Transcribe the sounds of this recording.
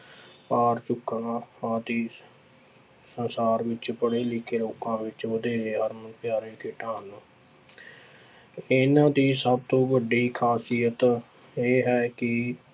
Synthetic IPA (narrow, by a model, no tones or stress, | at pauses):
paːɾt͡ʃʊkːnãːaːt̪iː | sənsaːɾʋɪt͡ʃpəɽeːlɪkʰeːloːkãːʋɪt͡ʃʋəd̪eːɾeːɦəɾmənpjaːɾeːkʰɪːʈãːnː | ɪnãːd̪iːsəb̚t̪õːʋəɖiːkʰaːsɪjət̪ | eːɦɛːkɪ